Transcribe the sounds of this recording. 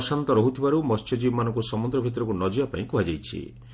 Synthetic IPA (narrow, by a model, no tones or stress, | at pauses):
sant̪ɔɾɔɦut̪ʰibaɾumɔst͡ʃʰɔd͡ʒibmanɔ̃ŋkusɔmɔnd̪ɾɔbʱit̪ɔɾɔkunɔd͡ʒijapaĩkuɦad͡ʒajt͡ʃʰḭ